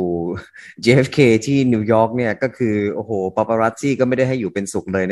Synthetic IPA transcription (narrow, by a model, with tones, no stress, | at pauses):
uː˨˩t͡ɕeː˧ʔe˦˥fkʰeː˧t̪ʰiː˥˩niː˧˥wjɔː˦˥k̚ni˥˩ɐkɔː˥˩kʰɯː˧ʔoː˧˩hoː˩˦pa˨˧˩pa˧ɾa˦˥t̪ʰːiː˥˩kɔː˥˩ma˥˩jda˥˩jɦa˥˩jːuː˨˩pe˧nsu˨˩k̚lɤː˧jna˦˥